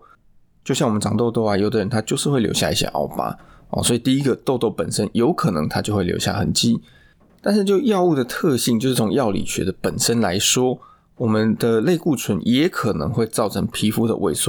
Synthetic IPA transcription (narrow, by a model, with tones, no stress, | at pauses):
t͡ɕjo˥˧ʊɕjɑ˥˩ŋwmə˦nʈ͡ʂɑ˨˩ŋt̪o˥˧ʊt̪o˥˩a˨˩jo˨˩ʊd̪ə˨˦ɻə˧˦nt̪ʰa˥t͡ɕjo˥˧ʊʂɻ̩˥˧xwe˥˩ɪljo̰˧ʊɕja̰˥˧i˥˩ɕjɛ̰˧ʔɑ̰˥˩ʊpa̰˧˥ɔ̰˨˩swɔ˧˥i˨˩t̪i˥˧i˦˥ɡə˨t̪o˥˧ʊt̪o˥˩ʊpə˨˩nʂə˦˥njo˧˥ʊkʰɤ˨˩nɤ˧˦ŋt̪ʰa˥t͡ɕjo˥˧ʊwe˥˩ljo̰˧˥ʊja̰˥˩xə̰˨˩nt͡ɕi˥ | t̪a˥˧nʂɻ̩˥˧t͡ɕjo˥˧ʊjɑ˥˧ʊu˥˩d̪ə˩t̪ʰɤ˥˧ɕi˥˧ŋt͡ɕjʂɻ̩˥˩t͡sʰʊ˧ŋjɑ˥˨ʊlḭ˨˩ɕɥɛ̰˧˥d̪ə˨pə˨˩nʂə˦˥nla˧˦ɪʂwɔ˥ | wɔ˨˩mə˦nd̪ə˨le˥˧ɪku˥˩t͡sʰwə˧˦njɛ˧˥˦kʰɤ˨˩nɤ̰˧˦ŋxwe˥˧ɪt͡sɑ˥˩ʊʈ͡ʂʰɤ˧˥ŋpʰi˧˥fu˥d̪ə̰˨wʔḛ˥˩ɪsu˥˩